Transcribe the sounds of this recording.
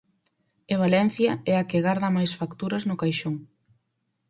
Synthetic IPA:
eβ̞alɛn̟θjɐɛakɪɣaɾðɐmajsfakt̪uɾɐznʊkajʃoŋ

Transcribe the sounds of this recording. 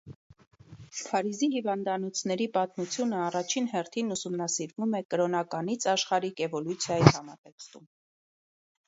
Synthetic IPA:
pʰɑɾizihivɑnd̪ɑnɔt͡sʰnɛɾipɑt̪mut͡sʰjunəɑrɑt͡ʃʰinɦɛrt̪ʰinusumnɑsiɾvumɛkəɾɔnɑkɑnit͡sʰɑʃχɑɾikɛvɔlut͡sʰjɑjihɑmɑt̪ɛkst̪um

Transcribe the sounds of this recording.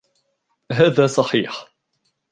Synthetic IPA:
ɦaːðaːsˤɑħiːħ

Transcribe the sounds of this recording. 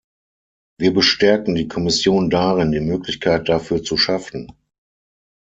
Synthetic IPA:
viːɐbəʃtɛɐkn̩diːkʰɔmɪsjoːndaʁɪndiːmøːklɪçkʰaɪt̚d̥afyːɐt͡suʃafn̩

